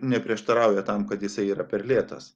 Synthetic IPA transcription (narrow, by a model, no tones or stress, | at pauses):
nʲɛpʲɾʲiɛʃt̪ɐɾɑˑʊjɛt̪ɐmkɐt̪jɪsɐɪiːɾɐpʲɛɾlʲeːt̪ɐ̰s